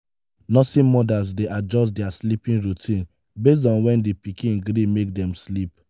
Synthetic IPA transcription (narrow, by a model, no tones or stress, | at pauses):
nɔtĩmɔdas̬deʔad͡ʒɔstdɛaslipĩnɹutʰĩn | bes̬tɔ̃nwɛ̃ndipikʰĩnɡɾimek̚dɛ̃mslip